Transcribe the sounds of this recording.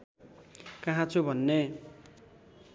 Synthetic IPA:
kaɦãt͡sʰubʱʌnːe

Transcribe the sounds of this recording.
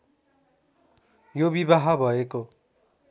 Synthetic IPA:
jobibaɦabʱʌeko

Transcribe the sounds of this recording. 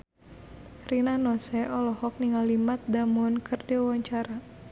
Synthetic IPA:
rinanɔsɛʔɔlɔhɔk̚niŋalimat̪̚damʊnkʰɨrdewaɲt͡ʃaɾa

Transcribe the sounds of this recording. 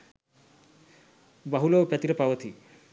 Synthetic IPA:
baɦulopɛt̪iɾepawɐt̪ʰi

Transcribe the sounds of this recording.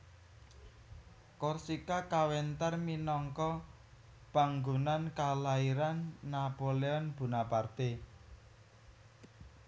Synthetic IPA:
kɔrsikakawɛnt̪arminɔŋkɔ | b̥a̤ŋɡunankalaiɾanːapoleɔnb̥ṳnapart̪e

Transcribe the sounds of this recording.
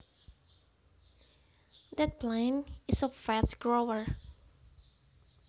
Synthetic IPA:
d̪ɛt̚plɛ̃nɪsəfɛsɡɹowəɹ

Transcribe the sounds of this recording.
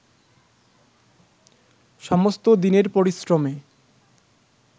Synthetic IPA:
ʃɔmost̪od̪ineɾpoɾisɾome

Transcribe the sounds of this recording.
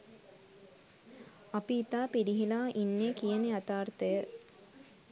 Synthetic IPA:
apiːt̪aːpiɾiɦilaːʔinːeːkijəneat̪aːrt̪əjə

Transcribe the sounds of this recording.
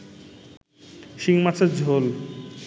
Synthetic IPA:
ʃiŋmat͡ɕʰeɾd͡ʑʱol

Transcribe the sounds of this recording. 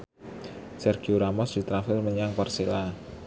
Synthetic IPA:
sɛrɡ̥iuɾamɔsdi̤t̪ɾafɪrməɲaŋparsela

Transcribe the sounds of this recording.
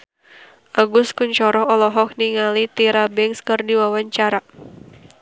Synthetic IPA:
ʔaɡʊskuɲt͡ʃɔɾɔɦɔlɔɦɔk̚niŋalit̪iɾabɛŋskɨrdiwawaɲt͡ʃaɾa

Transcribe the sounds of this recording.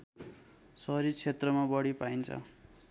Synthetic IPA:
sʌɾit͡sʰet̪rʌmabʌɽipaint͡sʰʌ̰

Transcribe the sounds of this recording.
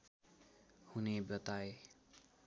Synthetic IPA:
hunebjʌt̪aje

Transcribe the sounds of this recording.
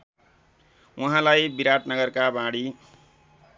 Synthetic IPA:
wʌɦãlajbiɾaʈnʌɡʌrkabãɽi

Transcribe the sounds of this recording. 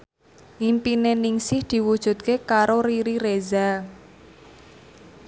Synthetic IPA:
ʔimpineniŋsɪhd̪̥i̤wud̥ʒ̥ṳt̪̚kekaɾoɾiɾireza

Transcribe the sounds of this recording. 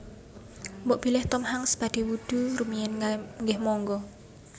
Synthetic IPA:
mbɔʔb̥ilɛht̪ɔmɦaŋsb̥ad̥ewuɖ̥urumiɛnŋɡɛhmɔŋɡɔ

